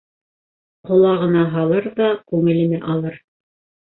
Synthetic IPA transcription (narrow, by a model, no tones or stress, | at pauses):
qŏlˠɑʁɤ̆nɑɦɑlˠɤɾðɑkʉŋɘ̆lɘ̆nɘʔɑlˠɤɾ